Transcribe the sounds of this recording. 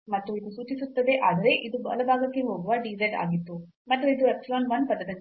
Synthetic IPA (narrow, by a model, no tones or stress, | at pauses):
mɐt̪ːuid̪usuːt͡ʃisut̪ːɐd̪e̞ʔaːd̪ɐɾe̞ʔid̪ubɐ̰lɐbʱaːɡɐkːeɦo̞ːɡuʋɐɖiːd͡ʒɐɖa̰ːɡit̪ːu | mɐt̪ːuid̪uɛpsɐloːnʋɐnpɐd̪ːɐd̪ɐn